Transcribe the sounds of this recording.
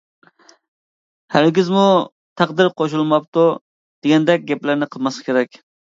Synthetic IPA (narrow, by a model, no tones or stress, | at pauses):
hæɾɡʲizmu | t̪ʰæqd̪ɨɾqʰoʃ̬ulˠmɑp̚t̪u | d̪̥eɡʲɛnd̪ɛk̚ʲɡʲɛplɪɾnɪqʰəlˠmɑsɑ̥kʲʰeɾɛkʲ